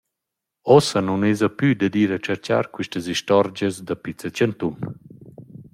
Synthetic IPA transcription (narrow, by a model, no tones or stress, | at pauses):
ɔsənunezəpyd̪əd̪iɾat͡ʃəɾt͡ɕa̰ɾkwiʃtəziʃtɔɾd͡ʑəzd̪apit͡sət͡ɕənt̪un